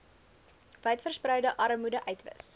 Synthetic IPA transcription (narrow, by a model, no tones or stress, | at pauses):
vɛjtfərsprœɥdəʔɐɾəmudəʔœɥtvə̰s